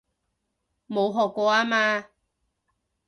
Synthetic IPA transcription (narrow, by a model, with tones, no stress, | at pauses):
mo˨˧wɦɔː˨˩kʷːɔː˧aː˦˥maː˧